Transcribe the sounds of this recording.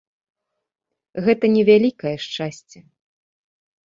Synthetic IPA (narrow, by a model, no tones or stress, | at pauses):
ɣɛt̪ɐnʲɛvʲalʲikɐjɛʂt͡ʂasʲt͡sʲɛ